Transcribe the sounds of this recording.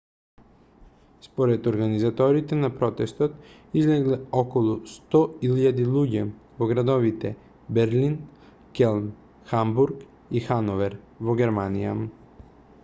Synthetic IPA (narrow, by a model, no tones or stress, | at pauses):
spɔɾɛd̪ɔɾɡanizat̪ɔɾit̪ɛnapɾɔt̪ɛst̪ɔt̪ | izlɛɡlɛɔkɔlˠust̪ɔilʎad̪ilˠuɟɛ | voɡɾad̪ɔvit̪ɛ | bɛɾlin | kɛlˠn | xambuɾk | ixanɔvɛɾ | vɔɡʲɛɾmanija̰